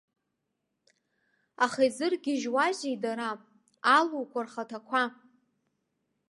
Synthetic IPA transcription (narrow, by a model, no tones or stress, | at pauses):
aχajzɨrɡʲɪʒwaʒijdaɾapʼ | aluwkʷʰarχatʰakʷʰa